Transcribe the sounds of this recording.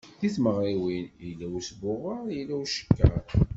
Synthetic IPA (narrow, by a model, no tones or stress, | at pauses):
θiθməʁɾiwinilːæwisbʊʁːəɾˤjilæwʃə̥kːæɾ